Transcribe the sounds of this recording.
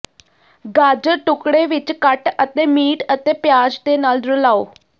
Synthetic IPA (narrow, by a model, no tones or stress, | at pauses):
ɡaːd͡ʒəʈʊkɽeːʋɪt͡ʃkəʈət̪eːmiːʈət̪eːpjaːd͡ʒd̪eːnaːld̪ɾəlaːoː